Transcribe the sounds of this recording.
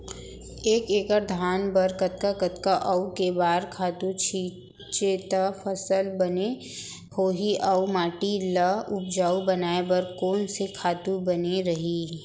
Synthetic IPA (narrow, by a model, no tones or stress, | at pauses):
eːkeːkəɾd̪ʱaːnbɐɾkɐt̪̚kakət̪kaʔɐukebaːɾkʰaːt̪ut͡ʃʰiː | t͡ʃet̪afʰəsəlbɐne | hoːɦiʔɐumaːʈiləʊp̚d͡ʒaːubɐnaːebəɾkoːnsekʰaːt̪ubɐneɾɐɦi